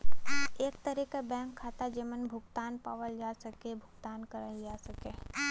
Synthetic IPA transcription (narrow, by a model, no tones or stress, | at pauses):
eːk̚t̪əɾikabɛ̃ːŋkʰːaːt̪ad͡ʒəmənbʱʊɡt̪aːnpaːʋəld͡ʒaːsɐkebʱʊɡt̪aːnkəɾaid͡ʒaːsɐkeː